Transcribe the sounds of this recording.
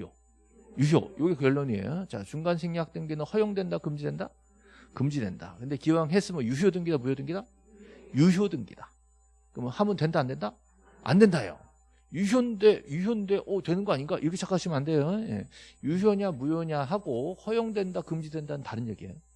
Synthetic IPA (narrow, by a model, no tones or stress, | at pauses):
o̰ | juɕjo̰joɡikɯjʌɭːoɲie̞̰jot͡ɕa̰t͡ɕuŋɡansʰeŋɲak̚t͈ɯŋɡinɯnhʌjoŋdwe̞ndakɯmd͡ʑidwe̞nda̰ | kɯmd͡ʑidwe̞nda̰kɯnde̞kiwaŋɦes͈ɯmʌjuɕodɯŋɡidamujodɯŋɡida | juɕjodɯŋɡḭda | kɯmɯnhamɯntwe̞ndaːndwe̞nda | a̰ndwe̞ndajo̰ | juɕjonnde̞juɕjonɯnde̞ʔʌtwe̞nɯnɡʌaɲinɡaʔḭɾʌkʰet͡ɕʰak͈ʰaɕʰimɯnande̞joje̞̰juɕjoɲamujoɲaɦaɡohʌjoŋdwe̞ndakɯmd͡ʑidwe̞ndanɯntaɾɯnjeɡiḛjo